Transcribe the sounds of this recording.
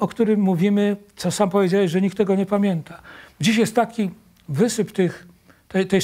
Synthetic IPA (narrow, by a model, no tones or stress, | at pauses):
ɔkt̪uɾɘmːuvʲimɘt̪sɔsampɔvʲjed͡ʑawɛɕʐɛɲikt̪ːɛɡɔɲɛpamʲjɛnt̪ad͡ʑiɕ̬jɛst̪ːakʲi | vɘsɘpt̪ɘx | t̪ɛt̪ɛj